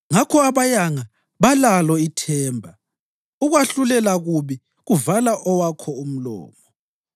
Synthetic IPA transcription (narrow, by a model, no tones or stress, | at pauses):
ŋakʰɔaβajaŋa | βalalɔitʰɛːmbʱa | uɣwaɬulɛlaɣuβi | ɣuvalaʔɔwakʰɔum̩lɔ̰ːmɔ